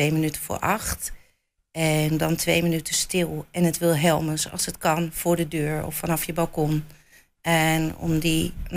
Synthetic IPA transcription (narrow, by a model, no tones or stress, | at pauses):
ejmənytəfʊ̰ːɹʔɑxt | ɛndɔntʰʋejmənytəstɪlˠɛnətʋɪlˠɦɛlˠməsɑ̰lˠsətkɑnfʊːɹdədøːɹɔ̰fːanɑfjəbɑlˠkɔn | ɛnɔ̰mdin